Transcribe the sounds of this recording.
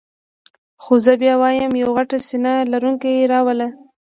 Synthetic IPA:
xozəbjɑwɑjəmjawɣaʈasinalaɾuŋkajeɾɑwəla

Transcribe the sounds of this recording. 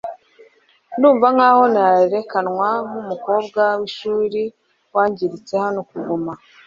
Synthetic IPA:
nuːɱvaŋ̥aːho̞naaeɾe̞kanŋwamumuko̞ːbɡawiʃuːɾi | waːɲɟiɾit͡se̞hano̞kuɡuma

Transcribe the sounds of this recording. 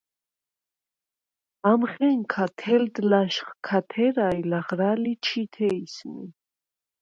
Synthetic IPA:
amχɛŋkʰat̪ʰɛld̪laʃχkʰat̪ʰɛɾailaχɾalit͡ʃʰit̪ʰɛisnḭ

